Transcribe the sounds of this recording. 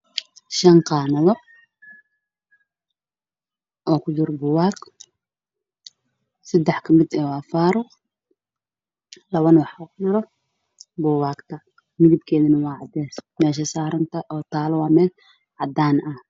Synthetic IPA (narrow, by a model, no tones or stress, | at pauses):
ʃɐnqɑːnɐðɔ | ʔɔːkʰʊd͡ʒɪɾbʊːwaːɡ | sɐd̪ɛħkʰɐmɪd̪ɛwɑːfaːɾʊq | lɐβɐnwɑħukʊd͡ʒɪɾɔ | bʊːwaːɡt̪ʰɐ | mɪðɪb̚kʰɛːðɪnɐwɑːʕɑd̪ɛːsmɛːʃ̬ɐsaːɾɐnt̪ʰɐʔɔːt̪ʰaːlwɑːmɛːl | ʕɑd̪aːnɐh